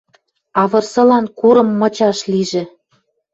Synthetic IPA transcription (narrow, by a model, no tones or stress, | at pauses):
ɑβɤ̆rsɤ̆lɑnkuɾɤ̆mːɤ̆t͡ɕɑʃliʒĕ